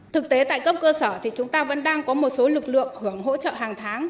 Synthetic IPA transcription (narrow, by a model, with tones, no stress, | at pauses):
t̪ʰɨ˨˩k̚t̪e˨˦t̪a̰ː˧˨jkə˧wp̚kəː˧səː˧˩t̪ʰi˨˩t͡ɕʊ˨˦ŋ͡mt̪aː˧və̰˧˥nɗaː˧ŋkɔ˨˦mo˨˩t̚so˨˦lɨ˨˩k̚lɨ̰˧˨əŋhɨ˧˩əŋɦo̰˧˥t͡ɕə̰ː˧˨haː˨˩ŋt̪ʰaː˨˦ŋ